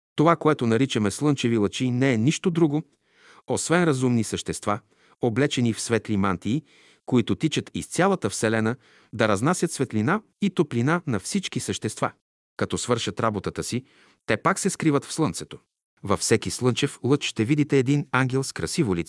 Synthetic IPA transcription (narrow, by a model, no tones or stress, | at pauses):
t̪ovakoɛt̪onɐɾit͡ʃɐmɛslˠɤnt͡ʃɛvilˠət͡ʃinɛɛniʃt̪od̪ɾuɡo | osvɛnɾɐzumnisəʃt̪ɛst̪va | oblɛt͡ʃɛnifsvɛt̪limant̪iː | koit̪ʊt̪it͡ʃət̪ḭst̪sʲjalˠɐt̪əfsɛlɛnə | d̪ɐɾɐznasʲɐt̪svɛt̪lʲina | it̪oplinanɐfsit͡ʃkisəʃt̪ɛst̪va̰ | kɐt̪ɔsvɤɾʃɐt̪ɾabot̪ət̪əsi | t̪ɛpaksɛskɾivət̪fslˠɤnt̪sɛt̪o̥ | vɐfsɛkislˠɤnt͡ʃɛflˠɤt͡ʃʃt̪ɛvid̪it̪ɛːd̪inaŋɡʲɛlˠskɾɐsivolit̪